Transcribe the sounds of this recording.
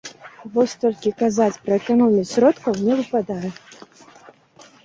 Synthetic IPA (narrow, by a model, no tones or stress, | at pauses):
vɔsʲt̪ɔlʲkʲikazat͡sʲpɾɐɛkanɔmʲisʲɾɔt̪kɐwnʲɛvɨpad̪ajɛ